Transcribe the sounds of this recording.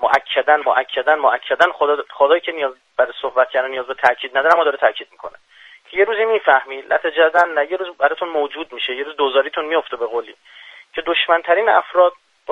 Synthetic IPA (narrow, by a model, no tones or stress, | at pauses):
moʔæcʰːæd̪ænmoʔæcʰːæd̪ænmoʔæcʰːæd̪ænχod̪χod̪ɒːjiːcʰe̞nijɒːz | bæɾesohbæt̪̚cʰæɾd̪ænijɒːzbet̪ʰæcʰiːd̪næd̪ɒːɾæmːɔːd̪ɒːɾet̪ʰæcʰiːd̪̚mikʰo̞̰ne | cʰeje̞ɾuːzimiːfæhmiːlʔæ̰t̪ʰed͡ʒæzænnæje̞ɾuːzbæɾɒt̪ʰunmoːd͡ʒuːd̪miːʃejeɾuzd̪ozɒːɾit̪ʰunmijo̞ft̪ebeɣoːliː | cʰe̞d̪oʃmænt̪ʰæɾiːnæ̰fɾɒːd̪̚ | b